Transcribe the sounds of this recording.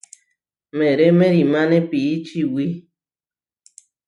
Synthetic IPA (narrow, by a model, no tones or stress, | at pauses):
mẽɾemẽɾimãnẽpiːt͡ʃiwi